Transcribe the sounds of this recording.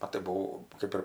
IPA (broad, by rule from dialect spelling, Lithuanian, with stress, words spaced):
ˈɐ tɐɪ bʊˈʋɐʊ ˈkɜp ɪr